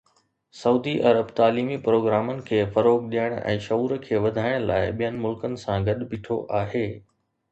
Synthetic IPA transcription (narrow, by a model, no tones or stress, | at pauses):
sɐuːd̪iʔɐɾəbt̪aːliːmipɾoːɡɾaːmənɪ̆kʰeːfɐɾoːɡɗijəɪɽ̃ɛ̰̃ːʃɐuːɾəkʰeːʋɐd̪ʱaːɪɽ̃la̰ːɪɓijənɪ̆mʊlkənɪ̆sãɡɐɗbʱɪʈʰo̰ʔaːɦeː